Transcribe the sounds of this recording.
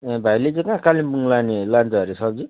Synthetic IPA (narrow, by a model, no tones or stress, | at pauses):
bʱajlet͡sẽkãkalimbuŋlanelant͡sʌʌɾesʌb̚d͡zi